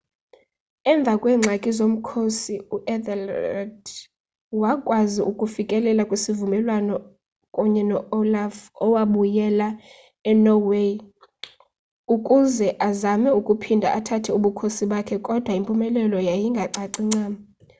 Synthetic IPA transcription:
ɛɱb̪vʱakʼwɛːŋ͡ǀʱakʼizom̩kʰosiuʔɛd̪ɛla̰d | wakʼwaziʔukʼufikʼɛlɛlakʼwisivumɛlwanɔ | kʼuɲɛnɔolafɔwaɓujɛla | ɛnɔwe | ukʼuzɛʔazamɛukʼupʰindʱa̰ʔatʰatʰɛuɓukʰosiɓakʰɛkʼɔd̥ʱwaimpʼumɛlɛlɔjajiŋɡʱaǀaǀiŋ͡ǀaːma

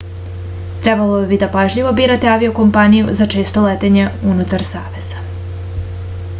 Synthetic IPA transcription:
t̪ɾebalˠobid̪apaʒʎiʋo̞biːɾat̪e̞aʋio̞ko̞mpanijṵzat͡ʃe̞ːst̪olet̪e̞ɲe̞unut̪aɾsaːʋe̞z̥a

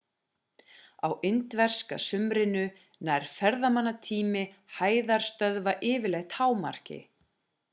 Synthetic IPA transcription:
a̰wʔɪnt̪vɛr̥ska̰sʏmɾɪnʏ | najɾ̥fɛɾðamanːat̪ʰiːmɪhaːjðaɾ̥st̪œðvaʔɪːvɪlɛxt̪haːwma̰r̥cɪ̰

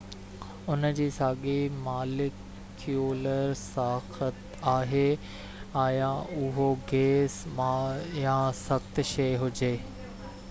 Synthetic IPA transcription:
ʊnəd͡ʑiːsaːɠimaːlɪkʰː | juːləɾsaːxət̪ | aːɦe | aːjãʊɦoɡeːsmajãsɐxt̪ʃeːɦʊd͡ʑeː

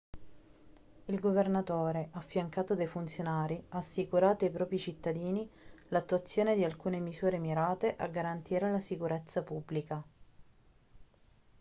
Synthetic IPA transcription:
ilɡovernat̪oːɾeʔafːjaŋkaːt̪od̪ajfunt̪sjonaːɾiaːsːikuɾaːt̪oajpɾɔːpɾit͡ʃit̪ːad̪iːnilat̪ːuat̪sːjoːned̪ialkuːnemisuːɾemiɾaːt̪eʔaɡːaɾant̪iːɾelasikuɾɛt̪sːapubːlika

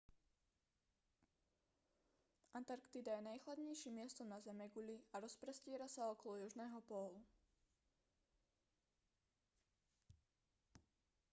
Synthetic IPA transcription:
ʔant̪aɾkt̪id̪ajɛnajxlad̪ɲɛjʃimːɪɛst̪ɔmnazɛmɛɡuʎiaɾɔspɾɛscɪɛɾasaɔkɔlɔjuʒnɛːɦɔpɔlu

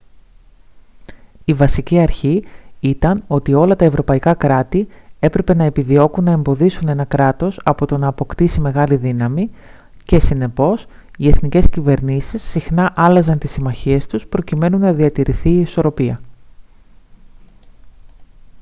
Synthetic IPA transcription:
ivɐsiciɐɾçiit̪ɐno̞t̪io̞lɐt̪ɐe̞vɾo̞pɐikɐkɾɐt̪ie̞pɾe̞pe̞nɐe̞piðio̞kunːɐe̞mbo̞ðisune̞nɐkɾɐt̪o̞sɐpo̞t̪o̞nɐːpo̞kt̪isime̞ɣɐliðinɐmi | ce̞sine̞po̞s | ie̞θnice̞scive̞ɾnisisːixnɐʔɐlɐzɐnt̪isimɐçie̞st̪uspɾo̞cime̞nunːɐðiɐt̪iɾiθiːso̞ɾo̞piɐ

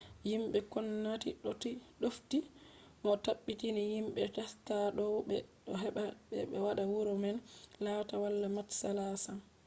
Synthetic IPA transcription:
jimɓɛkɔnːatiɗɔtiɗofti | ʔɔtaɓːitinijimɓɛtastaɗɔɓɛɗɔɦɛɓaɓɛ̰ɓɛwaɗawuɾɔmɛnlatawalːamatsalasam

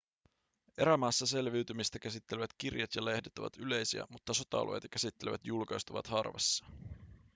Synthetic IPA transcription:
e̞ɾæmɑːsːɑse̞lʋiɥt̪ymist̪æk̟æsit̪ːeleʋæt̪k̟irjɑt̪jɑle̞hdet̪ːoʋɑ̰t̪yle̞jsiæ̰mut̪ːɑso̞t̪ɑɑ̰lʔoj̰t̪ɑkæsit̪ːe̞leʋæ̰t̪julkɑjst̪uʋɑ̰t̪hɑrʋḛsːɑ̥

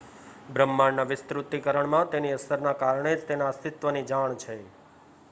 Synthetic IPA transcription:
bɾəmːaɳnaʋɪst̪ɾut̪ːikəɾəɳmãt̪eniəsəɾnakaɾɳed͡ʒt̪enaəst̪ɪt̪ʋənid͡ʒaɳt͡ʃʰe

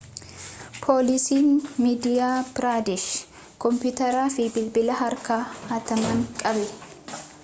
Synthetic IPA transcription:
pʰoːlɪsiːnmiːd̪ɪjaːbɪɾaːd̪ɪʃ | kɔmpjʊt̪ɐɾaːfɪbɪlbɪlɐɦɐɾkaːhaːt̪ɐmɐŋkʼɐbɛ

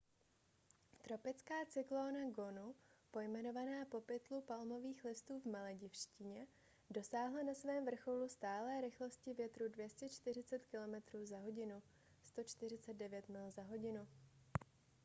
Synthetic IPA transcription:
t̪ɾo̞pɪt͡skaːt͡sɪkloːnaɡo̞nupo̞jmɛno̞vanaːpo̞pɪt̪lupalmo̞viːxlɪst̪uːvmalɛɟɪfʃcɪɲɛ | do̞saːɦlanasvɛːmvr̩xolust̪aːlɛːɾɪxlo̞scɪvjɛt̪ɾudvjɛscɛt͡ʃt̪ɪrɪt͡sɛt̪kɪlo̞mɛt̪ɾuːzaɦo̞ɟɪnu | st̪o̞t͡ʃt̪ɪr̝ɪt͡sɛd̪̚dɛvjɛt̪mɪlzaɦo̞ɟɪnu

